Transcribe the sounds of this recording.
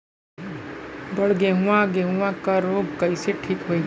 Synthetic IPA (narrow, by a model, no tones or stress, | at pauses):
bəɽɡeɦʊ̃ãɡeɦũʋãkaɾoːbkəɪseʈʰiːkɦoi